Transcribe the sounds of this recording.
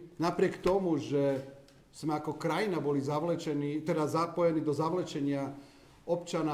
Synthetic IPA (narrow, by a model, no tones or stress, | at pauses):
napɾiekt̪o̞muʒe | smakokɾajinabolizaʋlet͡ʃenit̪ed̪azapojenid̪ozaʋlˠet͡ʃeɲa | opt͡ʃana